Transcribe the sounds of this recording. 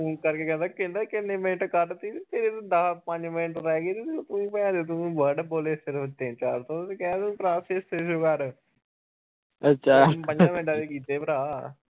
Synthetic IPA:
uːnkəɾkeːkɛ̃ːnd̪aːkɪnd̪aːkɪnːẽːmɪnʈkəʈt̪iːt̪ʰeɾet̪ːd̪aːpə̃ɲd͡ʒmɪnʈɾɛːɡeːt̪iːt̪et̪ʊĩːpɛ̃ãːd̪eːt̪̬ʊĩːʋəɾɖboːleːsɪɾft̪ẽt͡ʃaːɾt̪õːt̪ʊsĩːkɛːaːt̪ːpɾaːseːseʃoːkəɾ | ətːʃʰaːpə̃ɲd͡ʒãːmɪ̃nʈaːd̪iːkiːt̪eːpəɾaː

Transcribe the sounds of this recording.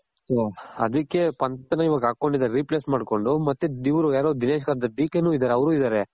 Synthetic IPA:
soɐd̪ɐkːe̞pɐnt̪ɐnɐiʋaːɡɐaːkːo̞ɳɖid̪aːɾeɾiːpleːsmaːɖko̞ɳɖumɐt̪ːuiʋɾujaːɾoːd̪ineːʃɡaːɾɐd̪ɐɖiːkenuːid̪aːɾeɐʋɐɾuːid̪aːɾe

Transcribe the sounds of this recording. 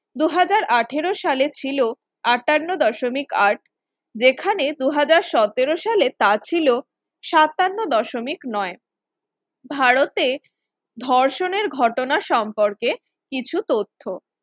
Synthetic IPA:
d̪uɦad͡ʑaɾʔaʈʰeɾoʃalet͡ɕʰilo | aʈanːod̪ɔʃomikaɾʈ | d͡ʑekʰaned̪uɦad͡ʑaɾʃɔt̪eɾoʃalet̪at͡ɕʰilo | ʃat̪anːod̪ɔʃomiknɔe | bʱaɾot̪e | d̪ʱɔɾʃoneɾɡʱɔʈonaʃɔmpoɾke | kit͡ɕʰut̪ot̪ʰːo

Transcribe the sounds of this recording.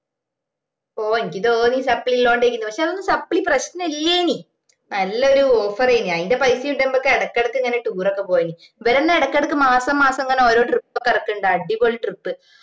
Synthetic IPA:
oːenikʲːiðoːniːsɐpːɭilːo̞ːɳɖe̞jk̬ʲːunːɨpɐkʂe̞ɐðonːɨsɐpːɭiprɐɕnɐnɐilːeːni | nɐlːɐoɾuoːfɐrejniɐðindepɐjsijuɳɖembokːeeɽɐkːeɽɐkːɨiŋːɐneʈuːrokːe̞poːjɐni | ʋeɾenːɐeɽɐkːeɽɐkːɨmaːsɐmːaːsɐmŋːɐneo̞ːɾo̞ːʈripːɐkːɐrɐkːuɳɖɨɐɖːipoːɭɨʈrɨpːɨ

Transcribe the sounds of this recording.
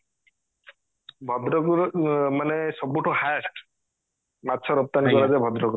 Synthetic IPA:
bʱɔd̪ɾɔɡɾmanesɔbuʈʰɔhasʈ | mat̪ːsʰɔɾɔp̚t̪anikɔɾazajbʱɔd̪ɾɔɡɾ

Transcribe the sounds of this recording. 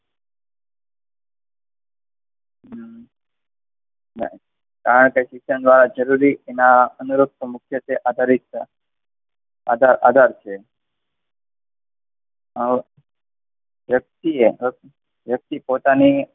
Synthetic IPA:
na̰ | kaɾəɳkesɪkʃənd̪ʋaɾad͡ʒəɾuɾienaənuɾuk̚t̪mʊkʰjət͡ʃeʔad̪ʱaɾik | a̰d̪ʱaɾa̰d̪ʱaɾt͡ʃʰe | ʋjək̚t̪ie | ʋjək̚t̪ipot̪ani

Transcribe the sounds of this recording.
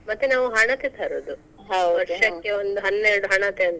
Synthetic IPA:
mɐt̪ːenaːʋuɦɐɳɐt̪et̪ʰɐːɾoːd̪u | ɦaʋɐɾʂɐkːeond̪uɦɐnːeɾɐɽuɦɐɳɐt̪eɐnt̪ɐ

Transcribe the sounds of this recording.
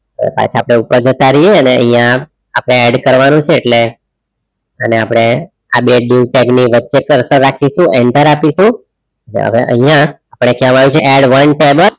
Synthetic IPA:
o̰ʋḛpa̰t͡ʃʰaapɽ̃eupəɾd͡ʒət̪aɾəjeəneə̰ɦĩjã | apɽ̃eɛɖkəɾʋanũt͡ʃʰeːʈle | əneapəɽ̃e | a̰beɖiuʈekniʋətːʃekəɾsə̃ɾakʰiʃũʔɛ̃nt̪əɾapiʃũ | əʋḛə̰ʋeʔə̰ɦijãː | pəɽ̃ekɛʋamaʋjũt͡ʃʰeʔɛɽʋənʈebəl

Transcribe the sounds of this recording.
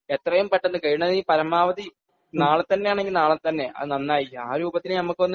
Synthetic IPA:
et̪rɐjumpɐʈːɐnːɨkɐɻuɳɐðiːpɐɾɐmaːʋɐði | naːɭt̪ɐnːe̞jaːɳe̞ŋɡilnaːɭɐt̪ɐnːe̞ʔɐ̰nɐnːaːjia̰ːɾuːbɐt̪ːinɨnɐmːukːɨɐnː

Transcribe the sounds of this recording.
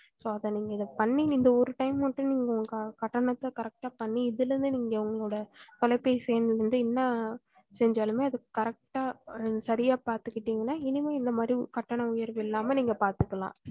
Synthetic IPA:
soːɐðɐ̃niːŋɡɐɪðɐpɐɳːiɪnd̪ɐɔɾɯʈɐɪmɐʈːɯ̃niːŋɡɐʊŋɡɐkɐʈːɐɳɐt̪ːɐkɐɾɛk̚ʈaːpɐɳːiɪðɪlɾɯnd̪ɯniːŋɡɐʋɐŋɡɐɭoːɽɐt̪ɔlɐɪpːɐjsɛjnɾɯnd̪ɯɛnːɐ | sɛɲd͡ʒaːlɯmeːɐðɯkɐɾɐk̚ʈaːsɐɾɪjaːpaːɾt̪ɯkːɪʈːiːŋɡɐnːaːɪnɪmeːɪnd̪ɐmaːd̪ɾikɐʈːɐɳɐ̃ʊjɐɾʋɪlːaːmɐniːŋɡɐpaːɾt̪ɯkːɐlã̰ː

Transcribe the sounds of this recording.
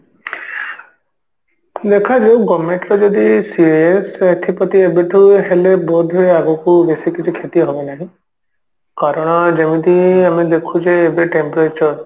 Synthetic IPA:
d̪ekʰad͡ʒewɡɔmẽɳʈɾɔd͡ʒɔd̪isieset̪ʰipɔt̪iebeʈʰuɦelebɔd̪ʱeaɡɔkubesikit͡ʃʰikʰet̪iɦobɔnaɦĩ | kaɾɔɽ̃ɔd͡ʒemid̪iamid̪ekʰud͡ʒeːbeʈempɾet͡ʃɔɾ

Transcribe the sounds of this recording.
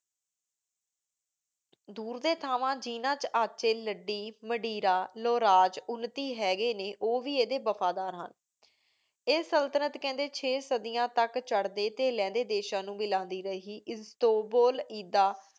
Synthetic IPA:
d̪uːɾd̪eːt̪ʰaːʋãːd͡ʒiːnãːt͡ʃaːt͡ʃeːləɖːiːməɖiːɾaːloːɾaːd͡ʒʊnt̪iːɦɛːɡeːneːʔoːʋiːeːd̪eːbəfʰaːd̪aːɾɦə̰n | eːsəlt̪ənət̪kɛ̃ːnd̪eːt͡ʃʰeːsəd̪ijãːt̪əkt͡ʃəɽd̪eːt̪eːlɛ̃ːnd̪eːd̪eːʃãːnũːmɪlãːnd̪iːɾəiːʔɪt̪oːboːliːd̪aː

